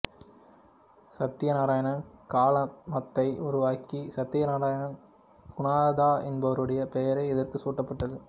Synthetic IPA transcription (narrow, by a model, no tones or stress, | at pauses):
sɐt̪ːɪjɐnaːɾaːjɐɳɐnkaːlɐmɐt̪ːɐɪʔʊɾʊʋaːkisɐt̪ːɪjɐnaːɾaːjɐɳɐn | ɡ̥ʊnaːðaːʔɛnbɐʋɐɾɯɽɐjɐpɛjɐɾɐɪɛðɐrkɯsuːʈːɐpːɐʈːɐðɯ